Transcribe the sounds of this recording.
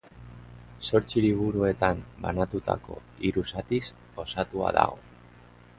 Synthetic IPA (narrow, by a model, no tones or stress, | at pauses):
so̞ɾt͡siliβ̞uɾue̞t̪ambanat̪ut̪a̰ko̞̰iɾusat̪is | o̞sat̪ua̰ða̰ɣo̞̰